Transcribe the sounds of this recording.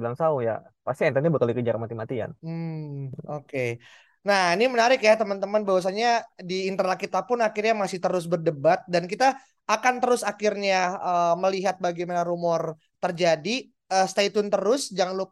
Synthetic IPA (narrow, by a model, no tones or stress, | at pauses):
bilaŋsauja̰ | past̪iɛnt̪anabəkalikəd͡ʒaɾkəmat̪imat̪ia̰nm̩ | oke | nahinimənaɾɪkjat̪əmant̪əmənbawas̬aɲadiːnt̪ərlakit̪apʊnakirɲamasɪht̪əɾʊs̬bərdəbat̪̚dankit̪aː | kant̪əɾʊsakɪrɲaəməliɦat̪̚baɡajmanaɾumɔr | t̪ərd͡ʒadi | əːst̪ait̪ʊnt̪əɾʊsd͡ʒaŋlʊ